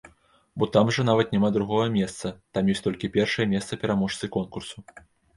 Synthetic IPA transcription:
bɔt̪amʐɐnavɐt̪nʲamad̪ɾuɣɔɣɐmʲɛst̪sɐt̪amjɔsʲt̪ɔlʲkʲipʲɛrʂɐjɛmʲɛst̪sɐpʲɛɾamɔʂt̪sɨkɔnkursu

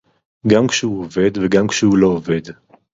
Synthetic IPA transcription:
ɡamkʃehuove̞d̪veɡamkʃɛhulo̞ːve̞d̪

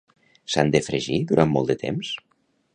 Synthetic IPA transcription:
sand̪efɾeʒiðuɾʔammɔ̰lˠd̪ət̪ḛms

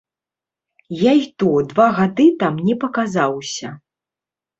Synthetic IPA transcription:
jajt̪ɔd̪vaɣad̪ɨt̪amnʲɛpɐkazawsʲɐ

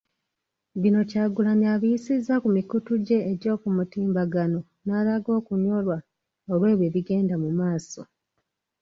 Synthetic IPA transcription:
βino̞caːɡulaniaβijisizːakumikutuɟe̞ːɟo̞ːkumutiːmbaɡano̞ | naːlaɡo̞ːkuɲo̞lwa | olwe̞ːβje̞βiɡe̞ːndamumaːso̞

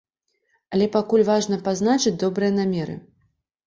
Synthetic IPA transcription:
alʲɛpakulʲvaʐnɐpazn̪at͡ʂɨt͡sʲd̪ɔbɾɨjɐn̪amʲɛɾɨ̰

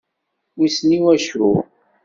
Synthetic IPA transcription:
wisniwæʃṵ

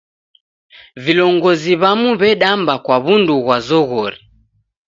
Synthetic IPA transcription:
vilɔŋɡɔziβamuβɛɗambakwaβunduɣwazɔɣɔɾi

